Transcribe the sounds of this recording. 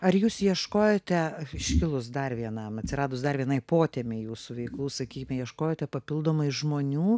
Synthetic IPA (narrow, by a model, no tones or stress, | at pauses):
ɐrjuːsjiɛʃkoːjoːt̪ʲɛɪʃʲkʲɪlˠʊsd̪ɐrʋʲiɛnɐmɐt̪ʲsʲɪɾɑːd̪ʊsd̪ɐrʋʲiɛnɐɪpoːt̪ʲeːmʲeɪjuːsʊʋʲɛɪklˠuːsɐkʲiːkʲɪmʲɛjiɛʃkoːjoːt̪ʲɛpɐpʲɪlˠd̪oːmɐɪʒmoːnʲuː